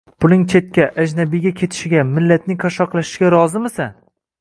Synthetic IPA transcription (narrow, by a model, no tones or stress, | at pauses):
pʰʊlɪŋt͡ʃʰe̞t̪̚kʲaʔad͡ʒnabɪɡʲakʲʰe̞t̪ʰɪ̥ʃɪɡʲamɪlːat̪̚nɪŋkʰaʃɒqlˠaʃɪ̥ɪɡʲaɾɒzɪmɪsan